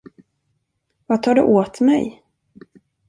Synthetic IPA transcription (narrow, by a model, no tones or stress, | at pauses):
vat̪ʰɑːɖɵ̰ʔoːt̪mɛ̰j